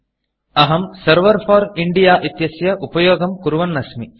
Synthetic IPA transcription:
ɐɦɐmsɐɾʋɐɾfaːɾiɳɖijaːʔit̪jɐsjɐʔupɐjoːɡɐmkuɾuʋɐnːɐsmi

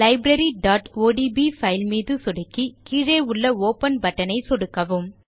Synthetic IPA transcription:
lɐɪbɾɐɾiɖaːʈoːɖibifɐɪlmiːðɯsɔɽɯkːikiːɻeːʊɭːɐoːpɐnbɐʈːɐnɐɪsɔɽɯkːɐʋɯm

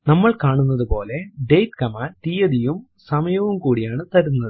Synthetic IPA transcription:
nɐmːɐɭkaːɳunːɐðupo̞ːle̞ɖe̞jʈkɐmaːnt̪ijɐðijum | sɐmɐjɐʋumkuːɽijaːɳɨt̪ɐɾunːɐðɨ

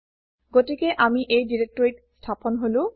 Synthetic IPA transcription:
ɡotikeʔamiʔejdiɹek̚tɔɹiʈstʰapɔnɦolũ

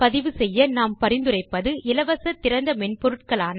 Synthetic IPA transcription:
pɐðɪʋɯsɛjːɐnaːmpɐɾɪnd̪ɯrɐɪpːɐðɯʔɪlɐʋɐsɐt̪ːɪɾɐnd̪ɐmɛnpɔɾɯʈkɐɭaːn

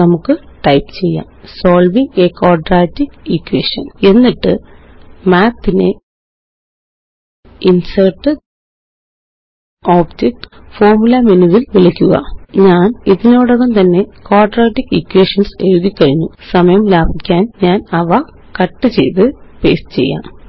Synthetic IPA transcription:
nɐmukːɨʈɐjpt͡ɕe̞jːa̰ːmsoːlʋiŋɡeːkoːɖraːtːikikːwḛːʂɐ̰ne̞nːiʈːɨ | maːt̪ːinḛ | insɐrʈːɨ | oːbd͡ʑek̚ʈfoːrmulɐminuʋilʋilɐkʲːuɣɐ̰ɲaːniðinoːɽɐɣɐnt̪ɐnːe̞koːrɖraːʈːikːikːweːʂɐnseɻuðikʲːɐɻiɲːusɐmɐjɐmlaːbʱikʲːaːnɲaːnɐʋa | kɐʈːɨt͡ɕe̞jt̪ɨpeːst͡ɕe̞̰jːa̰ːm

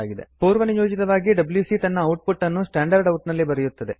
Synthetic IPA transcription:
aːɡid̪ḛpoːɾʋɐnijoːd͡ʒit̪ɐʋaːɡiɖɐbljusit̪ɐnːɐːwʈ̚puʈːɐnːusʈaːɳɖɐɾɖɐwʈnɐlːibɐɾɛjut̪ːɐd̪e

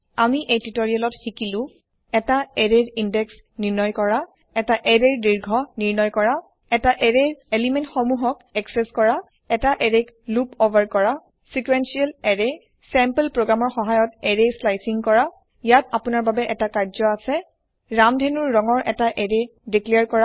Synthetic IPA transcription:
amiʔejtitoɹialɔtxikilʊ̃ | ɛtaɛɹeɹindɛks | niɹnɔjkɔɹa | ɛtaʔɛɹeɹdiɹɡʱɔniɹnɔjkɔɹa | ɛtaʔɛɹeɹelimɛntxɔmuɦɔkɛksɛskɔɹa | ɛtaʔɛɹeklupovʱaɹkɔɹa | sikwensiɛlɛɹe | sɛmpəlpɹoɡɹamɔɹxɔɦajɔtɛɹeslajsiŋkɔɹa | ijatapʊnaɹbabɛʔɛtakaɹzɔasɛ | ɹamdʱenuɹːɔŋɔɹʔɛtaʔɛɹediklɛjaɹkɔɹa

